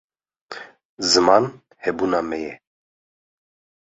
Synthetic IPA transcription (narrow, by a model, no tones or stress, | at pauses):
zəman | hɛbunamɛjɛ